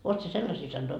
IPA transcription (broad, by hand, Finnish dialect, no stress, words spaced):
oːt sie selːɑsiː sɑnːoi